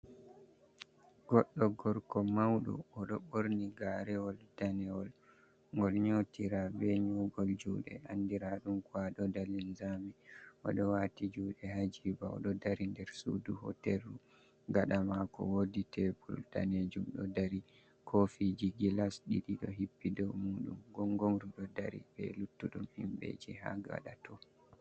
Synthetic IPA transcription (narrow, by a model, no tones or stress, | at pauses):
ɡ̥ɔɗːɔɡɔɾkɔmawɗṵɔɗɔɓoɾniɡaɾɛɔldanɛɔl | ŋɡɔlɲotiɾabɛɲɔɡɔld͡ʒṵːɗɛ̰ʔandiɾaɗumkwaɗɔdalinzamiʔɔ̰ɗɔwatid͡ʒuːɗɛhad͡ʒibaɔ̰ɗɔdaɾindɛɾsṵduhɔ̰tɛlːu | ɡaɗamakɔ̰woditʰɛbṵlta̰ned͡ʒumɗɔdaɾi | kʰofid͡ʒiɡilasɗiɗiɗɔ̰ɦipːidɔwmuɗumɡɔŋɡɔŋɾuɗɔdaɾḭbɛlutːuɗumhimɓḛd͡ʒiɦa̰ɡa̰ɗatɔ